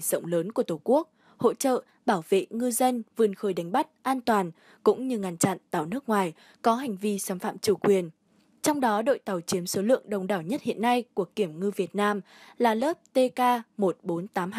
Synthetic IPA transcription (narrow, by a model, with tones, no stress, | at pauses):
zə̰˧˨wŋ͡mləː˨˦nku˧˩ət̪o˧˩ku˦˥ək̚ | ho̰˧˨t͡ɕə̰ː˧˨ | ɓaː˧˩wvḛ˧˨ŋɨ˧zə˧nvɨ˨˩ənxəː˨˩jɗa˨˦ŋ̟ɓa˦˥t̚ʔaː˧nt̪waː˨˩n | kʊ̰˧˥ŋ͡mɲɨ˧ŋa˧˩nt͡ɕa̰˧˨nt̪a˨˩wnɨ˦˥ək̚ŋwaː˨˩j | kɔ˨˦ɦa˨˩jŋ̟vi˧saː˨˩mfa̰ː˧˨mt͡ɕu˧˩kwi˨˩ən | t͡ɕɔ˧wŋ͡mɗɔ˨˦ɗo̰˧˨jt̪a˨˩wt͡ɕi˨˦əmso˨˦lɨ̰˧˨əŋɗə˨˩wŋ͡mɗaː˧˩wɲə˦˥t̚hḭ˧˨ənːa˧jku˧˩əki˧˩əmŋɨ˧vi˨˩ət̚naː˧m | laː˨˩ləː˦˥p̚t̪e˧kaː˧mo˨˩t̚ɓo˨˦nt̪aː˨˦mː˧